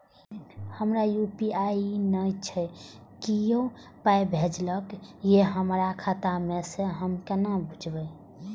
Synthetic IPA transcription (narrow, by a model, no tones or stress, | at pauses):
həmɾajupiainəjt͡ʃʰə | kijõ | pajbʱed͡ʒləkjeɦəmɾakʰat̪ameseɦəmkənabʱud͡ʒbəj